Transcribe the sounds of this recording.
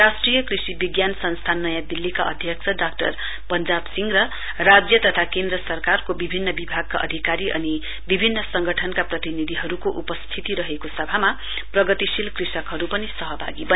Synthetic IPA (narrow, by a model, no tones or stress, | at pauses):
rasʈrijʌkrisibiɡjansʌnst̪ʰanːʌjãd̪ilːikaʔʌ̰d̪ʱjʌksʌɖakʈʌr | pʌnd͡zabsiŋɡɾʌ | rad͡zjʌt̪ʌt̪ʰakend̪rʌsʌrkarkobibʱinːʌbibʱaɡ̚kaʔʌ̰d̪ʱikaɾiʔʌ̰ni | bibʱinːʌsʌŋɡʌʈʰʌnkaprʌt̪inid̪ʱiɦʌɾukoʔupʌst̪ʰit̪iɾʌɦekosʌbʱama | prʌɡʌt̪isilkrisʌkɦʌɾupʌnisʌɦʌbʱa̰ɡibʌ